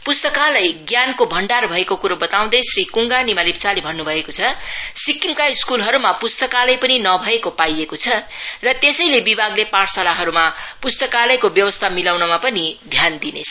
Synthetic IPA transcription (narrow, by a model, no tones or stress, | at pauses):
pust̪ʌkalʌjɡjankobʱʌɳɖarbʱʌekokuɾobʌt̪aw̃d̪ʌsrikuŋɡanimalipt͡salibʱʌnːubʱʌekot͡sʰʌsikimkaiskulɦʌɾumapust̪ʌkalʌjpʌninʌbʱʌekopajekot͡sʰʌrʌt̪esʌjlebibʱaɡlepãsalaɦʌɾumapust̪ʌkalʌjkobjʌwʌst̪ʰamilawnʌmapʌnid̪ʱjand̪inḛt͡sʰʌ̥